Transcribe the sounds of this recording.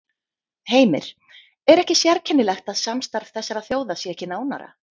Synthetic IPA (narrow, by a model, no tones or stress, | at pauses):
heːjmɪ̰ɾ̥ | ɛɾɛhcɪsjɛɾcʰɛnːɪlɛxt̪aðsamst̪aɾ̥v̥θɛsːaɾaðθjoːwðasjɛɛhcɪnaːwna̰ɾa̰